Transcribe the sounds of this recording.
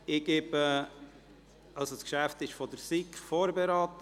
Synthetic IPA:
ɪɡebə | ɑlsoskʃæft̪ɪʃfɔd̥̪əɾsikfoːɾbeɾaːt̪ə

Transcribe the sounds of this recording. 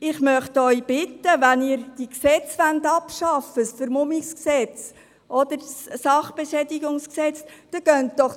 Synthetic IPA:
ɪχmœχt̪œʏb̥ɪtːəvænɪːɾd̥iksɛt͡sʋænd̪ɑpʃɑfəsfəɾmʊmiksksɛt͡s | ʔɔd̥̪əɾssɑχb̥eʃɛdɪɡʊŋsksɛt͡st̪ɑɡ̥œntd̥ɔχ

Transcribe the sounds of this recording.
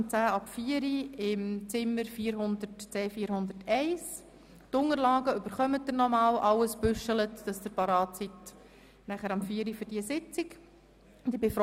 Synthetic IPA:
t͡sæːɑpfiːəɾiɪmt͡sɪmːəɾfiːəɾhʊnd̪ətt͡sɛːfiːɾhʊnd̪əɾtɛɪs | tʊŋəɾlɑːɡəʏbəɾχœmət̚dənɔmɑːlʔɑlːəsb̥ʏʃələtd̥ɑsd̥əpɑɾɑːtsit | næχəɾɑmfiːəɾiføɾdiəsɪt͡sɪk | d̥iəbef

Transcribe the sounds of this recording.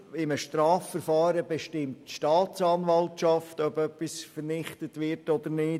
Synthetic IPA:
ɪməʃtɾaːfːəɾfɑːɾəbeʃtɪmtʃtɑːt͡sɑːnʋɑltʃɑftœbœpːisfəɾnɪχtətʋɪɾtɔdəɾnɪː

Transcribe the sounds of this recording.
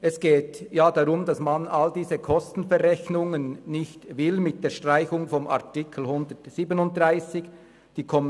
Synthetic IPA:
ɛsɡ̥eːtjaːd̥aʁʊmdɑsmanaldiːzəkʰɔstn̩fɛʁɛçnʊŋənːɪçtvɪlmɪt̚d̥eːʃtʁ̥aɪçʊŋfɔma̰ɐtɪkʰl̩hʊndətsiːbənʊnt̚d̥ʁaɪsɪç | d̥iːkʰɔm

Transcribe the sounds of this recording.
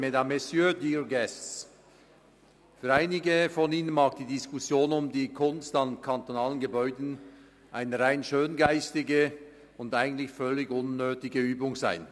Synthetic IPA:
medamɛsjødiːɹɡɛstt͡s | fyːɾaɪnɪɡəfɔniːnənmaːkd̥iːdiskʊsjoːnʊmdiːkʰʊnstankʰantonaːlənɡəbɔʏdn̩ | ʔaɪnəɾaɪnʃøːnɡaɪstɪɡə | ʊndaɪɡən̩tlɪçfœlɪɡʊnːøːtɪɡəyːbʊŋza̰ɪn

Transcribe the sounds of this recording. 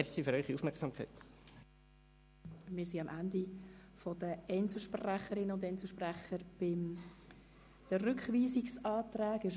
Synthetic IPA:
siføɾœʏχiufmɛksɑːmkʰa̰ɪt | mɪsiɑmʔændifɔdəɛnsəʃpræχəɾɪnəʊndɛnt͡sl̩ˠʃpræχəɾb̥ɪm | d̥əɾʏkχviːziksɑːt̪ræːɡɪʃ

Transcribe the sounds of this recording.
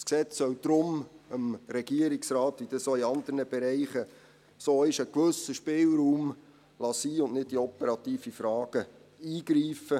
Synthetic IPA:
sksɛt͡sːœwd̥̪ɾʊməmɾɛɡ̥iəɾɪksrɑːt̪ʋid̥ɑsoːiɑnd̥̪ərnəb̥ɛɾɛɪχə | soːɪʃəkʋɵsəʃpɪːlɾuːm | lɑsiːʊnʔnɪd̚diɔpɛɾɑt̪iːfifɾɑːɡ̥ə | iːɡ̥ɾiːfə

